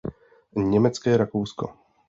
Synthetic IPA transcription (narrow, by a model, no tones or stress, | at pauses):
ɲɛmɛt͡skɛːɾakowsko̰